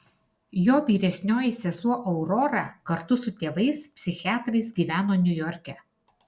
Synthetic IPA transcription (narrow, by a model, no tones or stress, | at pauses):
joːʋʲiːɾʲɛsʲnʲoːjɪsʲɛzuɔʔɐʊɾɔɾɑːˑkɐɾt̪ʊsʊt̪ʲeːʋɐɪspʲsʲɪxʲɪæːt̪ɾɐɪs̬ɡʲiːʋʲæːnoːnʲʊjɔɾʲkʲɛ